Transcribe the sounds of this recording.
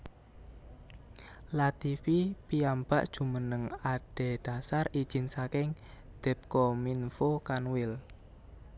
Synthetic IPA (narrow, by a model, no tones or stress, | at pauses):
lat̪ifipiambaʔd̥ʒ̥ṳmənəŋaɖ̥e̤ɖ̪̥a̤sarid̥ʒ̥ɪ̤nsakɪŋ | d̪̥ɛ̤p̚kɔminfokanwɪl